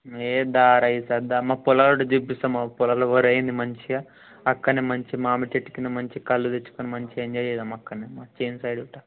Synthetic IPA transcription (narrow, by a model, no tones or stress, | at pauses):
eːd̪aːɾɐjisɐd̪amaːpulaːloʈɐd͡ʒubist̪ɐmapulaːloʋɐɾɐjind̪imɐɲt͡ʃia | ɐkːɐnemɐɲt͡ʃimaːmit͡ʃeʈːi̥kinɐmɐɲt͡ʃikɐlːud̪et͡ʃːu̥konimɐɲt͡ʃiɐnd͡ʒejed̪ɐmɐkːɐnemaːt͡ʃeːnsɐjɽuʈːɐ